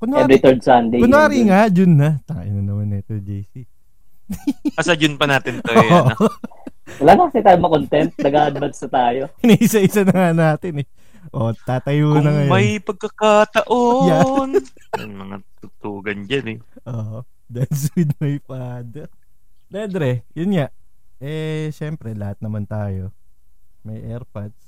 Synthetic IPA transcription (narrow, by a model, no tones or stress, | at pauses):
kʊnɛɾit̪ɛɹd̪sand̪ekʊaːɾiŋad͡ʒʊnːɐt̪aʔɪ̰nɐnɐmɐnɛt̪ɛd͡ʒejsi | ɐsɐd͡ʒʊnpɐnaːt̪ɪntooʔ | wɐlaːnɐkɐsɪt̪aːjomɐkont̪ɛnt̪̚nɐɡaːʔɐd̪bɐd̪sɐt̪aːjoɪnɐʔɪsɐʔɪsɐnɐŋanaːt̪ɪnɛ | ʔo̞t̪aːt̪ɐjuːnɐŋɐjmɐjpɐɡ̚kɐkat̪ɐʔojan | jɐ̰nmɐŋat̪ʊt̪uːɡɐnd͡ʒanɛ | ʔoːʔ | d̪ɐns̬wɪd̪mɐjpad̪ | d̪ɛnd̪ɾɛjʊnŋaʔ | ʔɛʃɛmpɾɛlɐhat̪̚nɐmant̪aːjo̞ | mɐjʔɛɾpɐt̪̚s